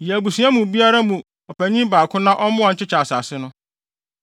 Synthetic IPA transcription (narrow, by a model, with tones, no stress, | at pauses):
jɛ˨æ˨bu˨sũ˨˦a˦mũ˨bi˦a˦ɾa˦mũ˨ | ɔ˨pʰæ˨ɲĩ˦baː˨kʰʊ̃˦nã˦ʔɔ˦mʊ̃˦a˨ɲ̩˨t͡ɕʰɪ˦t͡ɕʰa˨sa˨sɪ˦nʊ̃˦